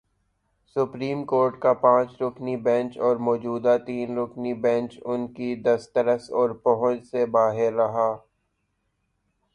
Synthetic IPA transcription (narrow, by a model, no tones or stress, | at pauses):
sʊpɾiːmkoːɾʈkapãːt͡ʃɾʊknibɛ̃ːnt͡ʃɔːɾmɔːd͡ʒuːd̪at̪iːnɾʊknibɛ̃ːt͡ʃʊnkid̪ɐst̪əɾəsɔːɾpɐɦʊ̃t͡ʃsebaːɦɪɾːɐɦaː